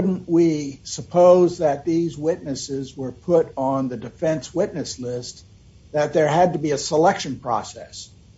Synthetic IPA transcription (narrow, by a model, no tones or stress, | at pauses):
ʊdⁿn̩ʔwisəpʰoʊzðɨt̪̚ðizwɪtⁿnɨsɪzwə˞pʰʊɾn̩ðɨdɨfɛ̃nswɪtⁿnɨslɪst̪̚ | ðɨt̪̚ðə˞ɨd̚tɨbiɨsəlɛkʃɨ̃npʰɹ̥ɔ̰sɛ̰s